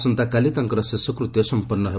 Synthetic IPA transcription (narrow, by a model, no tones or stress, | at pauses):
sʌnt̪akalit̪aŋkʌɾʌsesʌkrut̪esʌmpʌrnʌɦe